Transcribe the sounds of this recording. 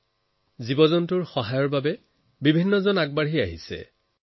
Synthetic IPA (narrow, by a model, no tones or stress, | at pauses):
zibɔzɔntʊɹxɔɦajɔɹbabɛ | bibʱinːɔzɔnaɡ̚baɹɦiaɦḭsɛ̰